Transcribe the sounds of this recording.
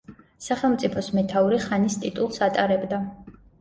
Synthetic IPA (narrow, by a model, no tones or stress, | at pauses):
saχɛlˠmt̪sʼipʰɔsmɛt̪ʰauɾiχanist̪ʼit̪ʼulˠsat̪ʼaɾɛbd̪a